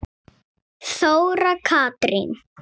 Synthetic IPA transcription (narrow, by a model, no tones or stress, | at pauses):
θoːwɾakʰaːt̪ɾḭn